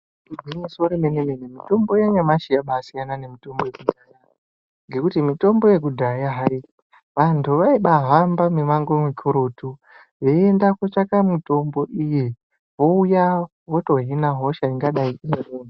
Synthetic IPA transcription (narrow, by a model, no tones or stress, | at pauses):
ibinisoɾemenenenemito̞mbo̞jaɲamaʃijaɓasijanane̞mito̞mbo̞jekudʱaja | ŋɡe̞kutimito̞mbo̞je̞k̬udʱajaɦai | ʋantʰuʋaiɓaɦambamiʋaŋɡo̞mikʰoɾo̞tu | jeendakot͡ʃakamito̞mbo̞ʔije | ʋo̞uja | woto̞ɦinaɦo̞ʃaiŋɡaɗaiʔinereːna